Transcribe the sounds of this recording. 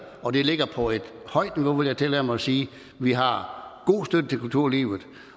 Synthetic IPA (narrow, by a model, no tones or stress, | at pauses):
ɒ̽d̥e̝le̝ɡ̥ɐpʰɒ̽e̝d̥ | hɒ̽ɪ̰d̥niʋoʋeljaɪt͡sʰelɛɐmɑɪɒsiː | ʋiɦɑ̈ɡ̥o̝̰ːsd̥ød̥ət͡sʰelkʰult͡sʰuɐ̰lḭːʊð̩ˠ